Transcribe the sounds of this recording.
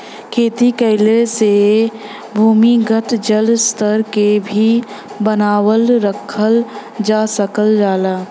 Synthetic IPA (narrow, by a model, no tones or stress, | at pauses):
kʰeːt̪ikəɦɪlese | bʱuːmiɡəʈd͡ʒəlst̪ʰəɾkebʱi | bənaːwəlɾəkʰəld͡ʒaːsəkəld͡ʒaːlaː